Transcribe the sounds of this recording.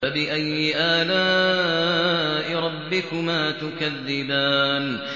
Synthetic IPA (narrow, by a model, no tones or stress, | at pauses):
abɪʔajːɪʔaːlaː | ʔɪɾˤɑbːɪkʊmaːt̪ʊkaðːɪbaːn